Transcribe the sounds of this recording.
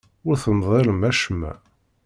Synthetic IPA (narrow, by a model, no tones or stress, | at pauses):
ʊɾθəmðˤɑləmæʃəmːæ̰